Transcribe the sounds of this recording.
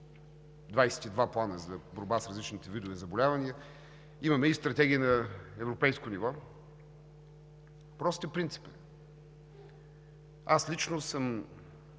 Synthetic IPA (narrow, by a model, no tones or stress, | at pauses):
d̪vajsɛ̥t̪id̪vaplˠanəzɐboɾbasɾɐzlit͡ʃnit̪ɛvid̪ovɛzɐbolʲavɐniə | imɐmɛist̪ɾɐt̪ɛɡʲiənɐɛvɾopɛjskonivɔ | pɾɔst̪ɛpɾint̪si̥pə̥ | aslit͡ʃnosəm